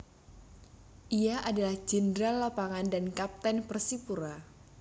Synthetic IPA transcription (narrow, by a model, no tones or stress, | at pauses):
ʔiaʔadalahd͡ʒəndɾalapaŋandankap̚t̪ɛnpərsipuɾa